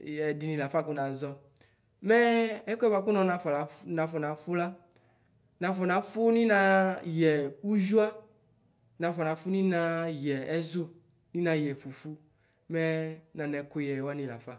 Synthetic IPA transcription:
ɛ˨dɪ˨nĩ˨la˨fa˦˨kʊ˦nã˨zɔ˦ | mɛ˦ɛ˦kʊ˦ɛ˦ba˨kʊ˦nɔ̃˨nã˨fɔ˨la˨nã˨fɔ˨nã˨fʊ˦la˦ | nã˨fɔ˨nã˨fʊ˦nĩ˦nã˨jɛ˨u˦ʒu˦a˦ | nã˨fɔ˨nã˨fʊ˦nĩ˦nã˨jɛ˨ɛ˦zʊ˦ | nĩ˦nã˨jɛ˨fu˨fu˦ | mɛ˦nã˨nɛ˨kʊ˦jɛ˨wa˦nĩ˨la̰˨fa˦˨

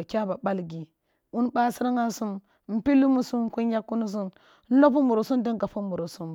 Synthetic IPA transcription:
kʲa˦ba˨ɓa˦lɡi˨ | u˦nba˦si˦ɾa˦ŋa˦su˦m˨ | m̩˨pi˦lu˦mu˦su˦m˦ku˦nja˦kːu˦nu˦z̬u˦n | n̩˦lo˦p̬u˦mu˨ɾo˨su˦ndə˦nɡa˨fu˦mu˨ɾo˨su˦m˨

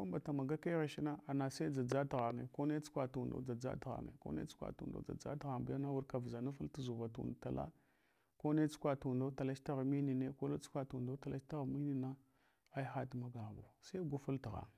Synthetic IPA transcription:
ku˦mba˨ta˨ma˨ɡa˦ke˦ɣe˨ʃi˦na˦a˨na˨sa˦i˦d͡za˨d͡za˦tɣa˨nḛ˨ko˦ne˦t͡su̥˦kʷa˨tu˨ndo̰˦d͡za˨d͡za̰˦tɣa̰˨nḛ˨ko̰˦nḛ˦t͡su̥˦kʷa̰˨tṵ˨ndo̰˦d͡za̰˨d͡za̰˦tɣa˨mba˨ja˦na˦wu˦ɾka˨vza˨na˦fu˦ltu˨zu˨va˨tṵ˨dta˨la̰˦ | ko˦ne˦t͡skʷa˨tu˨ndo˦ta˨la˦t͡ʃta˦ɣmi˦ni˨ne˦ko˦ne˦t͡su̥˦kʷa˨tu˨do˦ta˨lʔa˦t͡ʃta˦ɣmi˦ni˨na˦ | a˦i˦xa˦tma˦ɡa˨bo̰˨sa˦i˦ɡu˦fu˦lti˨ɣa̰˨

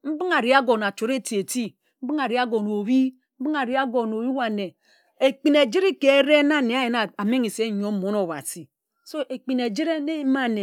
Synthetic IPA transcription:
m̩˦bi˦ŋa˨ɾi˦a˦ɡo˨na˨t͡ʃo˨ɾe˦˨ti˨e˨ti˦ | m̩˦bi˦ŋa˨ɾi˨˦a˦ɡo˨no˨βi˦ | m̩˦bi˦ŋa˨ɾi˨˦a˦ɡo˨no˨wi˦wa˨ne˨ | e˨k͡pi˨ne˨d͡ʒi˦ɾi˦ke˨˦ɾe˦na˦˨ne˨a˦je˨na˨a˨me˦ŋi˨se˦˨ɲo˦mo˨˦no˨wa̰˨si˨ | so˦ʔe˨k͡pi˨ne˨d͡ʒi˦ɾe˦ne˦ma˦˨ne˨

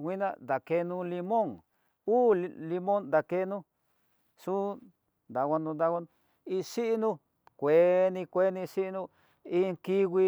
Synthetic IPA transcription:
wʷi˦nã̰˧nd̪a˨ke˧nũ˧li˧mõ˦ŋ | uː˦lli˧mõ˦nd̪a˨ke˧˦nũ˧˦ | ʂũ˦ | nd̪a˨wʷa˧nũ˧nd̪a˧wa˧n˧ | i˧ʂi˦ʔi˦nũ˧ | kʷe˨˦nĩ˧kʷe˦nĩ˧ʂi˦ʔnũ˧ | i˦ŋki˦ɣi˧

